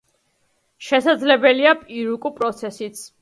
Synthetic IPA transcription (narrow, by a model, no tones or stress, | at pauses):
ʃɛsad̪zlɛbɛliapʼiɾukʼupʼɾɔt̪sʰɛsit̪sʰ